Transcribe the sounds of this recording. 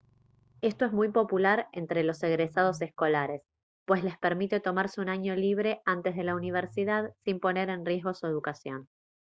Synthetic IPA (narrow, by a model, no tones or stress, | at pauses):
e̞st̪o̞e̞zmujpo̞pulaɾent̪ɾe̞lo̞seɣɾesað̞o̞sesko̞laɾe̞s | pwe̞sle̞speɾmit̪e̞t̪o̞maɾseunaɲo̞liβ̞ɾe̞ʔant̪e̞zð̞e̞launiβ̞eɾsiðaðsimpo̞ne̞ɾe̞nrje̞zɣosueðukasjo̞n